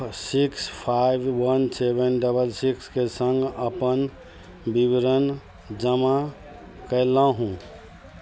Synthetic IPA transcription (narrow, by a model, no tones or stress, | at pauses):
sikspʰajbwənsebənɖəbəlsikskesə̃ŋɡəpən | bibiɾən | d͡ʒəma | kəɪlãɦũ